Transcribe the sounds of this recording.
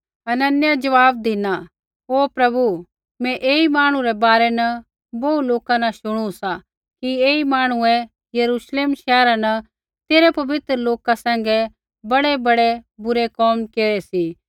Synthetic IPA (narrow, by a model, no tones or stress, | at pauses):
ɐnɐnjad͡ʒɐʋaːb̚d̪ɪna | ɦoːpɾɐbu | mɛ̃ʔeːimaːɽ̃ũɾɛbaːɾɛnɐ | boːuloːkãnɐ̃ʃʊɽ̃ũsa | kieːimaːɽ̃ʊɛ̃ | jɐɾuːʃleːmʃɛːɾanɐ | t̪eːɾɛpɐʋɪt̪ɾəloːkasɛ̃ːŋɡɛ | bɐɽɛbɐɽɛbʊɾɛkɔːmkeːɾɛsi